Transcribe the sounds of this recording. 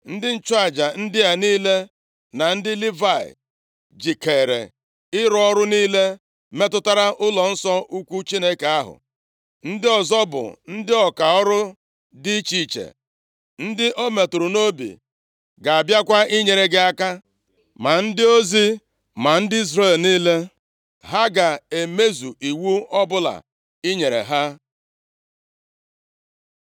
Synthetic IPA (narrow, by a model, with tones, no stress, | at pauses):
n̩˦dɪ˦n̩˦t͡ʃʊ˦a˨d͡ʒa˨n̩˦dɪ˦a˨niː˦le˦ | na˨n̩˦dɪ˦li˦va˨ɪ̰˨ | d͡ʒi˨ke˨ɾḛ˨ | ɪ˦ɾɔ˦ɔ˦ɾʊ˦niː˦le˦ | me˦tʊ˦ta˦ɾa˦ʔʊ˦lɔ˨n̩˦sɔ˦u˦kʷu˦t͡ʃi˦ne˦ke˨a˦ɦʊ̰˨ | n̩˦dɪ˦ɔ˨zɔ˦bʊ̰˨n̩˦dɪ˦ɔ˨ka˨ɔ˦ɾʊ˦ | dɪ˦t͡ʃi˦˨t͡ʃḛ˨ | n̩˦dɪ˦ʔo˦me˨tʊ˨ɾʊ˨no˦bḭ˨ | ɡa˨a˨bja˦kʷa˦i˦ɲe˨ɾe˨ɡɪ˦a˦ka˦ | ma˨n̩˦dɪ˦o˦zi˦ | ma˨n̩˦dɪ˦i˦z̬re˦˨lniː˦le˦ | ɦa˦ɡa˨e˨me˦zu˨ʔi˨wu˦ɔ˦bʊ˦la̰˨ | i˦ɲe˨ɾḛ˨ɦa˦